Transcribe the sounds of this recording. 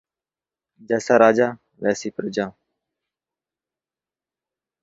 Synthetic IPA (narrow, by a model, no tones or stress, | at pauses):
d͡ʒɛːsaːɾaːd͡ʒaː | ʋɛːsiːpəɾd͡ʒãː